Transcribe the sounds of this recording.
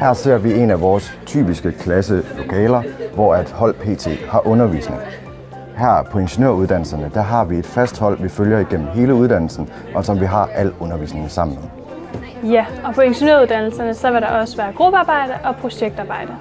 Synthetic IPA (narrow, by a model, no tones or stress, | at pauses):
hæɐ̰se̝̰ɐ̰ʋie̝næʋɒːs | t͡sʰy̰ːb̥isɡ̥əkʰlæsəlo̝kʰɛːlɐʋɒæd̥hɒ̽l̰pʰe̝̰ːt͡sʰe̝̰ːhɑ̈ʔɔ̽nɐʋḭːsne̝ŋ | hæɐ̰pʰɒ̽eŋɕo̝ne̝ɐ̰uð̞ˠd̥æn̰l̩sɐnəd̥æɦɑ̈ʋie̝d̥fæsd̥hɒ̽l̰ʋiføljɐiɡ̥en̰m̩ɦe̝ːləuð̞ˠd̥æn̰l̩sn̩ | ʔɒ̽sɒ̽mʋiɦɑ̈ʔæl̰ɔ̽nɐʋḭːsne̝ŋsɑ̈m̰n̩með | jæɒ̽pʰɒ̽eŋɕo̝neɐuðˠd̥æn̰l̩sɐnəsɒ̽ʋeɾ̥ɑ̈ʔɒ̽səʋæːɐɡ̥ʁub̥əɑ̈ːb̥ɑ̈ɪ̰d̥əʔɒ̽pʰʁo̝ɕeɡ̥̚d̥ɑ̈ːb̥ɑ̈ɪ̰d̥ə